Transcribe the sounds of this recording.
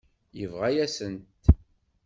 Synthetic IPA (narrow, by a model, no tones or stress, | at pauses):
jəvʁæjæsənt̪